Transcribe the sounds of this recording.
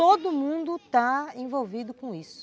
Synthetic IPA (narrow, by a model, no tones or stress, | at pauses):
t̪od̪ʊmũnd̪ʊt̪aẽvowvid̪ʊkõisʊ̥